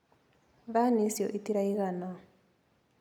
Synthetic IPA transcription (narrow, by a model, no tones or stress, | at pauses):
βanisjɔ̰ʔitiɾaiɣana